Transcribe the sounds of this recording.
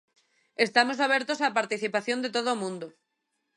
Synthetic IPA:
est̪amosaβ̞jeɾt̪osapaɾt̪iθipaθjond̪et̪oð̞omũnd̪o

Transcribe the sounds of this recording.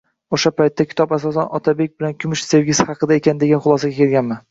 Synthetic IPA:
oʃapajt̪ʰːakʲʰɪ̥t̪ʰɒpasɒs̬anɒt̪ʰabe̞k̚ʲbɪlankʲʰʊmɪʃse̞vɡʲɪshɑqɨd̪ae̞kʲand̪e̞ɡʲanχʊlˠɒsaɡʲakʲʰe̞lɡʲanman

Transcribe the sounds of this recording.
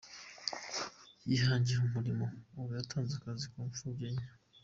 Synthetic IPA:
jiɦaːɲɟiumuɾimo̞ːβujatʰaːnzakazikoːnfubɟeɲa

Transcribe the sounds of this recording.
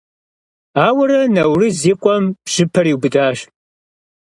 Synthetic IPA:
aːwɐɾɐnɐwriziːqʷʼɔmpɕɨpʰɐɾiːwbɨdaːʃ

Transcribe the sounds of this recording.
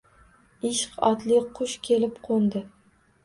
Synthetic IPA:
ɪʃɪ̥qɒt̪lɪqʰʊʃkʲʰe̞lɪpqʰond̪ɪ

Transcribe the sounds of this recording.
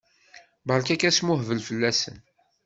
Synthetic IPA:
bɑɾˤkækæsmʊhvəlfəlːæsə̰n

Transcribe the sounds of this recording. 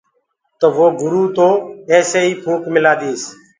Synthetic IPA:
t̪əʋoːɡʊɾuːt̪oːeːseːiːpʰuːkmɪlaːd̪iːs

